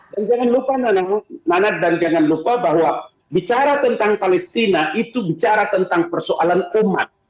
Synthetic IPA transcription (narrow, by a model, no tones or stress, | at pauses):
dand͡ʒaŋanlupananananak̚dand͡ʒaŋanlupabaɦwa | bit͡ʃaɾat̪ənt̪aŋpalɛst̪inaʔit̪ubit͡ʃaɾat̪ənt̪aŋpərsoʔalanuma̰t̪̚